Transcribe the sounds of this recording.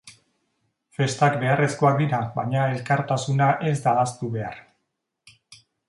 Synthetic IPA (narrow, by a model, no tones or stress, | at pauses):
fe̞st̪akbe̞are̞sko̞ak̚d̪iɾaβaɲae̞lkaɾt̪asunaʔe̞zd̪aːst̪uβe̞ar